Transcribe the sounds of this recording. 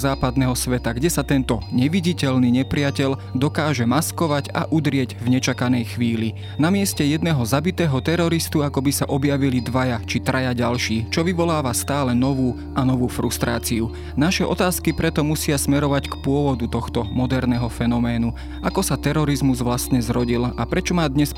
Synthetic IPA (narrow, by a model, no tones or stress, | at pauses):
zaːpad̪nɛɦɔsʋɛt̪aɡɟɛsat̪ɛnt̪ɔɲɛʋiɟicɛʎniɲɛpɾɪacɛld̪ɔkaːʒɛmaskɔʋaɟa̰ʔud̪ɾɪɛɟvɲɛt͡ʃakanɛjxʋiːli | namɪɛscɛjɛd̪nɛɦɔzabit̪ɛːɦɔt̪ɛɾɔɾist̪uakɔbisaʔɔbjaʋilid̪ʋajat͡ʃit̪ɾajaɟalʃiːt͡ʃɔʋiʋɔlaːʋast̪aːlɛnɔʋuː | ʔanɔʋuːfɾust̪ɾa̰ːt͡siu | naʃɛʔɔt̪aːskipɾɛt̪ɔmusɪasmɛɾɔʋackpʊɔʋɔd̪ut̪ɔxt̪ɔmɔd̪ɛɾnɛɦɔfɛnɔmɛːnu | ʔakɔsat̪ɛɾɔɾizmuzʋlast̪ɲɛzɾɔɟilapɾɛt͡ʃɔmaːd̪ɲɛs